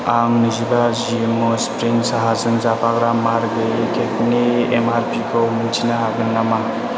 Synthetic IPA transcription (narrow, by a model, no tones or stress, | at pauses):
aŋnizibazimospɾiŋsaɦazɯŋzapʰaɡɾamaɾɡɯkek̚niemaɾpikʰɔmɯntʰinaɦaɡɯnːama